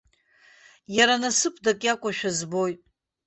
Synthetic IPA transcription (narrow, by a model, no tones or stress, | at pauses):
jaɾanasɨpʰʼdakʲʼakʷʼaʃᶣazbojtʼ